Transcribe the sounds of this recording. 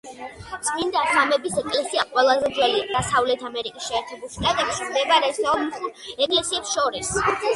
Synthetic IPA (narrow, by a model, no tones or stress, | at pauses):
sʼmind̪at̪amɛbisɛkʼlɛsiaqʼwɛlˠazɛd̪zwɛlid̪asavlɛt̪ʰamɛɾikʼisʃɛːɾt̪ʰɛbulʃt̪ʼat̪ʼɛpskd̪ɛbaɾɛst̪ʰɔlmχuɛkʼlɛsiɛpsʃɔɾis